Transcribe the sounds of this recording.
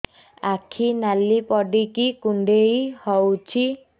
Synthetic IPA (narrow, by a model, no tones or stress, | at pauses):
akʰinalipɔɖikikuɳɖejhɔwt͡ʃʰi